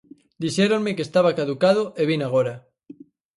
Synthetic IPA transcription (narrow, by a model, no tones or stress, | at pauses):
d̪iʃeɾoŋmekest̪aβ̞akaðukaðoʔeβinaɣ̞oɾa